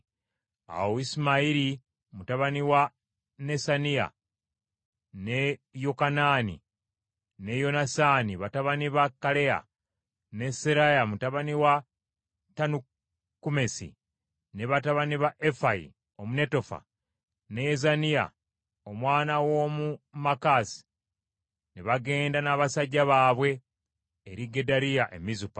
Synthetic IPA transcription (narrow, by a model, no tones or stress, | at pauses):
a̰woisimaiɾi | mutaβaniwa | ne̞sanija̰ | nejokanaːnḭ | ne̞jo̞nasaːniβataβaniβakːale̞a̰ | ne̞seɾajamutaβaniwa | tanu | kːume̞sḭ | neβataβaniβaʔefaḭ | o̞muneto̞fa̰ | nezanija̰ | omwaːnawo̞mumakaːsi̥ | neβaɡe̞ːndanaβasaɟːaβaːβwe̞ː | ɾiɡe̞daɾijaʔe̞̰mizupḁ